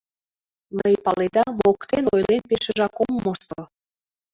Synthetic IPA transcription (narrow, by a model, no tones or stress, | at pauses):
nəjpɑled̪ɑmokt̪enojlenpeʃə̆ʒɑkommːoʃt̪o